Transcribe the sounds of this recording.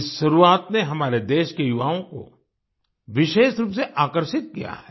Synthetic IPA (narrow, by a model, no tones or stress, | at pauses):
ɪsʃɐɾuaːt̪neɦɐmaːɾed̪eːʃkejʊʋaːõko̰ | ʋɪʃeːʃɾuːpseʔaːkəɾʃɪt̪̚kḭja̰ɦɛː